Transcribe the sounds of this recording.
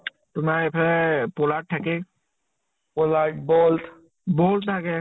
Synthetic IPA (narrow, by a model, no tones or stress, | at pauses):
t̪ʊmapʰepolaʈ̚ʰːake | polaʈboːlt̪ | boːlʈʰake